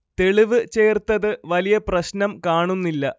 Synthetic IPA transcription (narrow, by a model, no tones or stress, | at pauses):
t̪e̞ɭiʋɨt͡ɕe̞ːrt̪ːɐðɨʋɐlijɐprɐɕnɐmkaːɳunːilːɐ